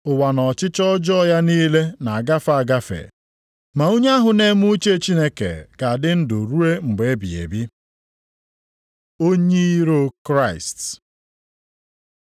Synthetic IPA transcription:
ʊ˨wa˨nɔ˨t͡ʃɪ˦t͡ʃɔ˦d͡ʒɔ˦ja˦niː˦le˦na˨a˨ɡa˦fa˨ɡa˦fḛ˨ | ma˨o˦ɲ˦a˦ɦʊ˨ne˦mu˦t͡ʃe˦˨t͡ʃi˦ne˦kḛ˨ɡ̥a˨dɪ˦n̩˦dʊ˨ɾu˦e˦ŋ͡m̩˨ɡ͡be˨e˦bi˨ḛ˨bi˦ | o˦ɲe˦i˦ɾo˦kɾa˦˨ɪ˨st

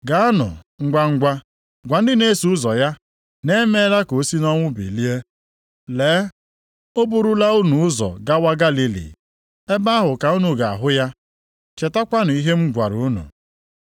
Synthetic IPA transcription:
ɡa˨˦a˦nʊ̰˨ | ŋ͡m̩˦ɡa˦ŋ̩˦ɡʷa˦ | ɡʷa˨n̩˦dɪ˦ne˦su˨ʊ˦zɔ˨ja˦ | ne˦me˦ɾa˦ko˨˦si˦nɔ˦ŋʷʊ˦bḭ˨li˦e˦ | le˨˦ | o˦bu˨ɾu˦la˦u˦nu˨ʊ˦zɔ̰˨ɡa˦wa˦ɡa˦li˦lḭ˨ | e˦ba˦ɦʊ˨ka˨u˦nu˨ɡa˨a̰˨ɦʊ˦ja˦ | t͡ʃe˨ta˦kʷa˦nʊ˨i˦ɦe˦m̩˦ɡʷa̰˨ɾu˨˦nṵ˨

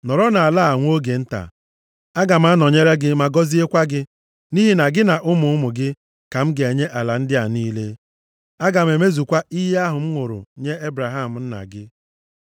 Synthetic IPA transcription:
nɔ˨ɾɔ˦na˨a˨la˦a˨ŋʷ˦o˦ɡe˨n̩˦ta̰˨ | a˦ɡa˨m̩˦a˦nɔ˨ɲe˦ɾe˦ɡɪ˦ma˨ɡɔ˦zi˦e˦kʷa˦ɡɪ˦ | ni˦ɦi˦na˨ɡɪ˦na˨ʔʊ˦mʊ˨ʊ˦mʊ˨ɡɪ˦ | ka˨m̩˦ɡe˨ɲe˦ʔa˨la˨n̩˦dɪ˦a˨niː˦le˦ | a˦ɡa˨me˨me˦zu˨kʷa˦ʔi˦ɦe˦a˦ɦʊ˨m̩˦ŋʷʊ˨ɾʊ̰˨ɲe˦e˦bɾa˨ɦa˦m̩˨n̩˦na̰˨ɡɪ˦

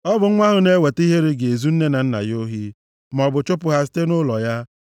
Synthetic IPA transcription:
ɔ˦bʊ˨ŋ̩˦ŋʷa˦ɦʊ˨ne˦we˨ti˦ɦe˦ɾe˦ɡe˨zu˦n̩˦ne˦na˨n̩˦na̰˨jo˦ɦi˦ | m˨ɔ˨bʊ˨t͡ʃʊ˦pʊ˨ɦa˨si̥˦te˦nʊ˦lɔ˨ja˦

